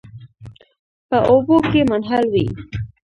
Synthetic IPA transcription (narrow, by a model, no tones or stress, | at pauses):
pəʔobokemʊnɦalwḭ